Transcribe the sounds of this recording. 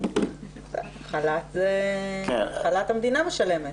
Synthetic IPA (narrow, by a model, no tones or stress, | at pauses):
χalat̪zekḛχalat̪hamd̪inameʃale̞met